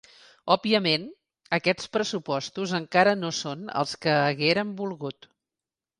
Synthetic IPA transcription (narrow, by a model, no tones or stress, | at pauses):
ɔbiəmen | əkɛt͡spɾəsupɔst̪uzəŋkaɾənosonə̰lˠskəːɣeɾəmbulˠɣut̪